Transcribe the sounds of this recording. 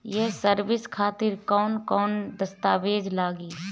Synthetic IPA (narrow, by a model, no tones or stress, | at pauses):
jɛsəɾʋɪskʰaːt̪ɪɾkɔːnkɔːnd̪əst̪aːʋeːd͡ʒlaːɡiː